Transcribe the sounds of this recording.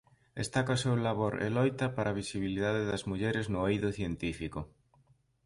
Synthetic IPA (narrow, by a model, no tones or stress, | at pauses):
ḛst̪akaosewlaβoɾḛlɔjt̪ɐpaɾaβ̞isiβiliðaðeðɐzmuʎɛɾɪznʊejðʊθjent̪ifikʊ